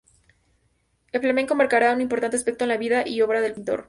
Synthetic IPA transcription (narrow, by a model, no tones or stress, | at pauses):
elflameŋko̞maɾkaɾaunimpoɾt̪ant̪easpe̞k̚t̪oenlaβiðaʔio̞βɾaðelpint̪o̞̰ɾ